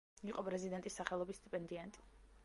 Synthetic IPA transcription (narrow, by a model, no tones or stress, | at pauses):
iqʼɔpʼɾɛzid̪ɛnt̪ʼisːaχɛlˠɔbist̪ʰʼipʼɛnd̪iant̪ʼi̥